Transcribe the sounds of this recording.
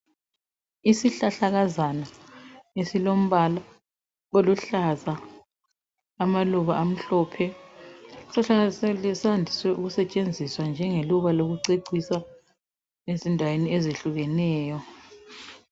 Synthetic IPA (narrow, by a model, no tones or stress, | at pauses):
isiɬaɬaɣazanaesilom̩βala | ɣoluɬaza | maluβaʔam̩ɬɔpʰɛ | sɔasɛlɛsandʱiswɛʔuɣusɛt͡ʃʼend͡zʱiswand͡ʒʱɛŋeluβaloɣuǀeǀʱisa | ezindʱaweniɛzeɬuɣɛnɛːjɔ